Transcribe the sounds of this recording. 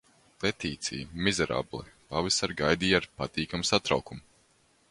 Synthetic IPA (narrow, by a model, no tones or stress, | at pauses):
lɛt̪iːt̪sʲḭjmizɛɾa̰blˠḭpavɛsaɾɡajd̪iːaɾpat̪iːkamsat̪ɾawkum